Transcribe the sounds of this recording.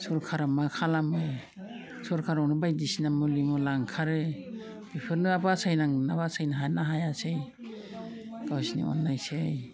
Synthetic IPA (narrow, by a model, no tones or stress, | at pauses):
sɔɾkʰaɾamakʰalamɯ | sɔɾkʰaɾawnɯbajdisinamulimɯlaŋkʰaɾɯ | bipʰɯɾnɯabasajnaŋnabasajnaɦanaɦajasej | ɡawsinḭɔ̰nːajsej